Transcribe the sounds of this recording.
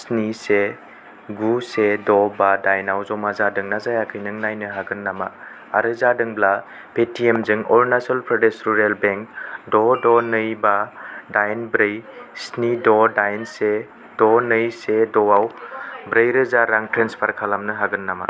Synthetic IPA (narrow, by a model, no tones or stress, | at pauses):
snise | ɡusedɔbadajnawzɔmazadɯŋnazajakʰɯjnɯŋnajnɯɦaɡɯnːama̰ | a̰ɾɯzadɯŋbla | pʰetiemzɯŋɔɾnasalpɾɔdesɾuɾelbeŋkdɔdɔnɯjbadajnbɾɯjsnidɔdajnse | d̥ɔnɯjsedɔawbɾɯjɾɯzaɾaŋtɾenspʰaɾkʰalamnɯɦaɡɯnːama̰